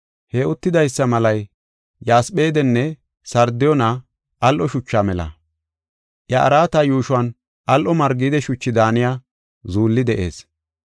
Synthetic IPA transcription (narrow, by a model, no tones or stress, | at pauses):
hɛʊt̪ːɪd̪ɐjsːɐmɐlɐj | jaːsɓe̞ːd̪ɛnːɛ | sɐɾd̪ɪjɔna | ʔɐlʔɔʃʊt͡ʃːaːmɛlɐ̰ | ʔjɐʔɐ̰ɾaːt̪ɐjuːʃʊwɐn | ʔɐlʔɔmɐɾɡiːd̪ɛʃʊt͡ʃːɪd̪aːnɪjaː | zuːlːɪd̪ɛʔe̞̰ːs